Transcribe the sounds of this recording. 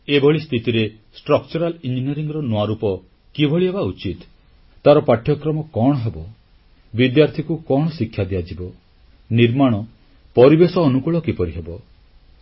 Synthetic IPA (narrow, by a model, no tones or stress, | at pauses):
ebʱɔɭist̪ʰit̪iɾe | sʈɾɔkt͡ʃɔɾalind͡ʒinieɾiŋɡɾɔnuaɾupɔ | kibʱɔɭiɦebaut͡ʃit̪ː | aɾɔpaʈʰjɔkɾɔmɔkɔɽ̃ɔɦebɔ | bid̪jaɾt̪ʰikukɔɽ̃ɔsikʰːjad̪ijad͡ʒibɔ | niɾmaɽ̃ɔ | pɔɾibesɔːnukuɭɔkipɔɾiɦebɔ